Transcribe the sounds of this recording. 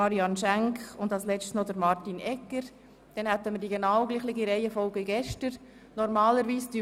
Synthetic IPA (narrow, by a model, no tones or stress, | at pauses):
ɑɾjɑnʃæŋkχʊndɑlslɛt͡stsnodəɾmɑɾtinɛkːəɾ | d̥ɛnhæt̪ːəməɾdiɡenawɡliːχlɪɡiɾɛɪəfɔlɡəɡɛʃtəɾ | nɔɾmɑːləɾviːsd̥y